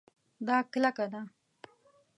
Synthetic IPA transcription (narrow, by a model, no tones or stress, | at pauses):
d̪ɑklakad̪a